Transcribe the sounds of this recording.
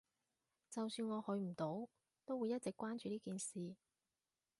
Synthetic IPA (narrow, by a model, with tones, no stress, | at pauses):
t͡sɐ˨wsyː˧nŋɔː˨˧hɵ˨˧ɥm̩˨˩t̪o˨˥w | t̪o˥wuː˨˧jɐ˥t̚t͡sɪ˨kːʷwaː˥nt͡ʃyː˨˧liː˥kiː˨nsiː˨